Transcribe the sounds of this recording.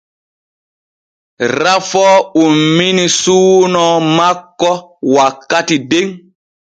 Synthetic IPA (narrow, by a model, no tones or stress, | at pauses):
ɾafɔumːinisuːnɔmakːɔwakːatideŋ